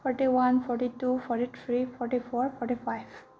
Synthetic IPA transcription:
fʰɔɾʈiʋɐ̃nfʰɔɾʈiʈufɔɾʈit̪ʰɾiːfɔɾʈifɔːɾfɔɾʈifaɪʋ

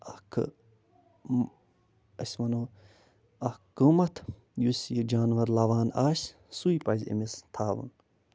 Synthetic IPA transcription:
ɐkʰ | ɐsʲmɐnoː | ɐkkːumɐt̪ʰ | jusjid͡ʒaːnʋɐɾlɐʋaːnaːs | suipɐzʲḭmist̪ʰaːʋṵn

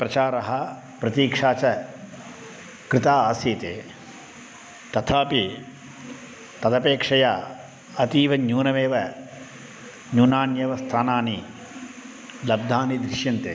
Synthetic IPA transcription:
pɾɐt͡ʃaːɾɐɦɐ | pɾɐt̪iːkʂaːt͡ʃɐ | kɾɪt̪aːaːsiːt̪eː | t̪ɐt̪ʰaːpi | t̪ɐd̪ɐpeːkʂɐjaː | ɐt̪iːʋɐɲuːnɐʋeːʋɐ | ɲuːnaːnjɐʋɐst̪ʰaːnaːni | lɐb̚d̪ʱaːnid̪ɾɪʃjɐnt̪e

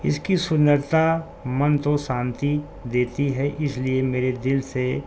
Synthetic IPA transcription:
ɪ̰skisʊnːəɾt̪a | mɐnt̪oʃãːnt̪i | d̪eːt̪iɦɛʔɪsliemeːɾed̪ɪlse

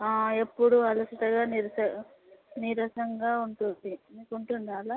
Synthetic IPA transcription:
aːe̞pːuɽuɐlɐsɐʈ̪ɐɡaːniɾɐsɐ | niɾɐsɐŋɡaːuɳʈund̪imiːkuɳʈunɖ̪aːlɐ

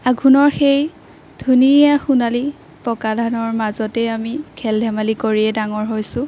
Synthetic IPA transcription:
aɡʱunɔɹxej | d̥ʱunijaxunali | pɔkadʱanɔɹmazɔtɛamikʰɛldʱɛmalikoɹiɛdaŋɔɹɦojsʊ̃

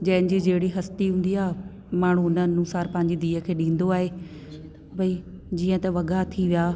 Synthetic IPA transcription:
d͡ʑɐ̃ːɪnɪ̆d͡ʑid͡ʑeːɽiɦɐst̪iɦũːn̆d̪iaːɦ | maːɳ̤ũnənusaːɾpɐ̃ɦɪ̃ɲd͡ʑid̪iːəkʰeːɗĩːn̆d̪oaːɦeː | bɐid͡ʑiːə̃t̪ɐʋɐɠat̪ʰiʋijaː

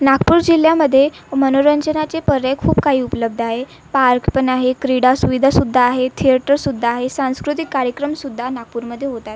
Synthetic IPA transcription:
nakpuːɾd͡ʑiljaməd̪ʱːje | mənoɾəɲd͡ʑənat͡sepəɾəkʰuːbkaɦiːupələb̚d̪ʱaɦe | paɾkpənaɦekɾiɽasuʋid̪ʱasud̪ʱːaːɦet̪ʰiəʈəɾsud̪ʱːaːɦesãw̃skɾut̪ikːaɾjəkɾəmsud̪ʱːanak̚puːɾməd̪ʱːjeɦot̪at̪

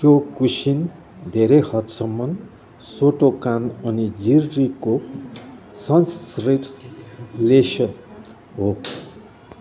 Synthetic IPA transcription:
kjokusin | d̪ʱeɾejhʌt̪sʌmːʌn | soʈokanʌnid͡zirːiko | sʌnsreʈ | lesʌn | ɦo

